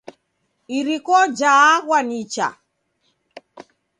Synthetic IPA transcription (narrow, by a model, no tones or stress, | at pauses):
iɾikɔd͡ʒaːɣwanit͡ʃa̰